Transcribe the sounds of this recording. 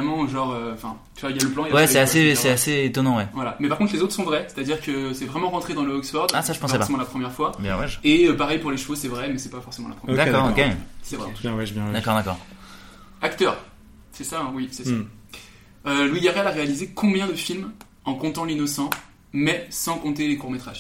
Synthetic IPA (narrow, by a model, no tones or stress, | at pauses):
ɛmɑ̃ʒɑ̃ʁøɑ̃fɛ̰̃ | t̪yvailjaləplɑ̃ijawɛsɛasesɛaseet̪ɔnɑ̃wɛvwalamɛpaʁkɔ̃t̪lezot̪χəsɔ̃vʁɛse̥t̪ad̪iʁkəsɛvʁɛmɑ̃ʁɑ̃t̪χed̪ɑ̃ləɔksfɔʁd̪asaʒə̥pɑ̃sɛpsemɑ̃lapχəmjɛʁfwabjɛ̃vaʒeøpaʁɛjpuʁleʃvosɛvʁɛmɛsɛpafɔʁsemɑ̃la̰pχəmjɛd̪akkɔʁokesɛvʁɛ̰ɑ̃t̪uɛ̃ɛʒbjɛ̃d̪akɔʁd̪akɔ̰ʁ | akt̪œːʁ | sɛsawisɛsaa | ølwiɡaʁɛlaʁealizekʰɔ̃bjɛ̃d̪əfilm | ɑ̃kɔ̃t̪ɑ̃linɔsɑ̃ | mɛsɑ̃kɔ̃t̪̬elekuʁmet̪χaʒ